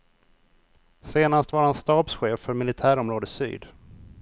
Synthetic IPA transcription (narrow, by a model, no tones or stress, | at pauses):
seːnast̪vaɾhanst̪ɑːb̪sɧeːfːœɾmɪlɪt̪ʰæːɾɔmɾoːd̪əsy̰ːd̪